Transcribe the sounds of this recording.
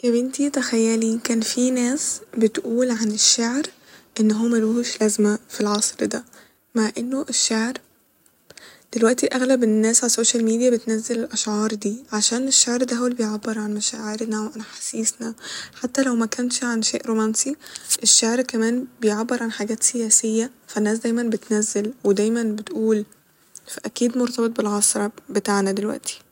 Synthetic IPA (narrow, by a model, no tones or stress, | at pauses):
kæbɪnt̪it̪æxæjːælikæːnfinæːsbet̪ʔuːlʕaneʃːaʕɾ | ʔenːɦoːmæluhuːʃlæzmæfilʕɑsˤɾd̪æ | maʕʔenːoʔeʃːaʕɾ | d̪̥elwæʔt̪iʔæɣlæbenːæːsʕalsoːʃælmiːd̪ijæbet̪næzːelelʔæʃʕɑːɾˤd̪iːʕaʃæːneʃːaʕɾd̪æhæwlbejʕabːeɾˤʕanmæʃæːʕeɾnæweʕanħḁsiːsnæħat̪ːælæwmækænʃʕanʃeːʔɾomænsiʔeʃːaʕɾkæmæːnbejʕabːeɾˤʕanħaɡæːt̪sejæːsejːæfænːæːs̬d̪æjmænbet̪næzːelwed̪æːjmænbet̪ʔuːl | fæʔækiːd̪moɾˤt̪ɑbet̪̚ˤbelɣɑsɾˤɑbet̪aːʕnæd̪elwæ̰ʔt̪i̥